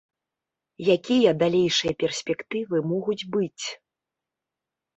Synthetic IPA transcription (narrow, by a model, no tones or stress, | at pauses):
jakʲijɐd̪alʲejʂɨjɐpʲɛrsʲpʲɛkt̪ɨvɨmɔɣud͡zʲbɨt͡sʲ